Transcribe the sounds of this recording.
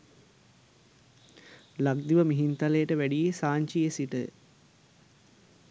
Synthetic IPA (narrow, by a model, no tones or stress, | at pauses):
laɡd̪iʋəmiɦint̪alejəʈəʋæɖijesaːɲt͡ʃijesiʈə̰